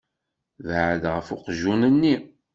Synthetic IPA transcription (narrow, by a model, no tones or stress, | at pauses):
vʕəd̪ʁəfʊqʒunənːi